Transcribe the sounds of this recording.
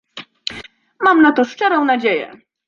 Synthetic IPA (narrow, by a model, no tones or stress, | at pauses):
mamnat̪ɔʂt͡ʂɛɾɔ̃w̃nad͡ʑejɛ̰